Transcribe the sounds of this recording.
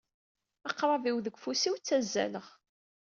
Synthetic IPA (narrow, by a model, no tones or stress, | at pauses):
ɑqɾˤɑviwðəɡʷfusiwt͡sːæzːæ̰ləʁ